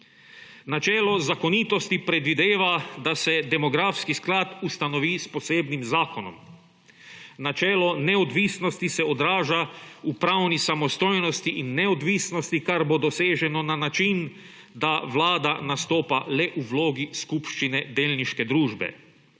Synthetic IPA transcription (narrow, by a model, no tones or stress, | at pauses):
nat͡ʃɛːlɔzakonit̪ost̪ipɾɛd̪ʋid̪eːʋad̪asɛd̪ɛmoɡɾaːfskisklat̪ust̪anoʋiːsposeːbnimzaːkonɔm | nat͡ʃɛːlɔnɛod̪ʋiːsnost̪isɛod̪ɾaːʒaupɾawnisamost̪oːjnost̪iʔinːɛod̪ʋiːsnost̪ikaɾbod̪oseːʒɛnɔnanat͡ʃin | d̪aʋlaːd̪anast̪oːpalɛʔuʋloːɡiskupʃt͡ʃinɛd̪eːlniʃkɛd̪ɾuːʒbɛ̰